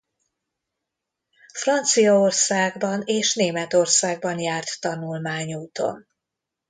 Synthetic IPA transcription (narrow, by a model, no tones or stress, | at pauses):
frɒnt̪sijɒorsaːɡbɒneːʃneːmɛt̪o̞rsaːɡ̚bɒnjaːrt̪ːɒnulmaːɲuːt̪o̞̰n